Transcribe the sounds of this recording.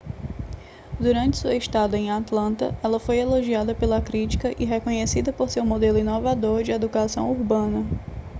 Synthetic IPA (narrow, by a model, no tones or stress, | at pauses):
d̪uɾɐ̃nt͡ʃɪ̥suɐiʃt̪ad̪ʊẽj̃at̪lɐ̃nt̪ɐ̰ɛlɐfojeloʒiad̪ɐpelɐkɾit͡ʃi̥kɐʔiɦekõɲesid̪ɐpoɾsewmod̪elʊĩnovad̪oɾd͡ʒɪed̪ukasɐ̃w̃uɾbɐ̃nɐ